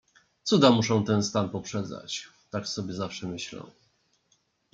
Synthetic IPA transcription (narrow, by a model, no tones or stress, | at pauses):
t̪sud̪amuʂɛ̃w̃t̪ɛnst̪anpɔpʂɛd̪za̰t͡ɕ | t̪aksɔbʲjɛzafʂɛmɘɕlɛ̰̃w̃